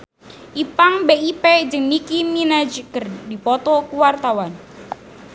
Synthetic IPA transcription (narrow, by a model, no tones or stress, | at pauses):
ʔipaŋbeʔipɛd͡ʒəŋnikiminad͡ʒəkərdipɔt̪ɔkuwart̪awan